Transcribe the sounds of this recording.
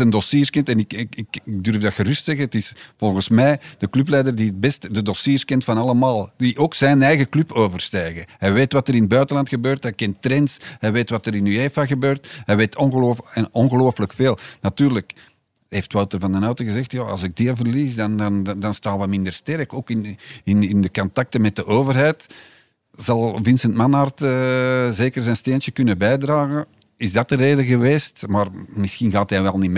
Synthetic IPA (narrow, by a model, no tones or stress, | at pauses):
əndɔsiːrskɛntɛnɪkɪkɪkɪɡ̚dɵrvdɑxərʏstsɛɣəətɪsv̥ɔlˠɣənsmɛːd̥əklʉplɛjdərdiət̚bɛstdədɔsiːrskɛntfɑnɑlˠəmaːlˠdiʔoːksɛnɛjɣəklʉpʰoːvərstɛːɣəɦɛjʋeːtʋɑtəɾɪnəbœɥtəlɑntxəbøːrtɦɛjkɛntːrɛntsɦɛjʋeːtʋɑtəɾɪnyeːfaɣəbøːrtɦɛjʋeːtʰɔnɣəloːfɛnɔnɣəloːfələkfeːlˠnɑtyːrlək | ɦeːftwawtərvɑndənœwtəɣəzɛxtjaːɑ̰lˠzɪɡ̚diəvərliːsdɑndɑndɑnstaːʋɛmɪndərstɛɾəkoːkɪnɪnɪndəkɔntak̚təmɛt̚dəʔoːvərɦɛjt | z̥ɑlˠvɪnsəntmanartəzeːkərzɛjnsteːntəkʏnəbɛjdraːɣə | ɪzdɑtəɾeːdəɣəʋeːstmaːrmɪsxinɣaːtɦɛjʋɛlˠnim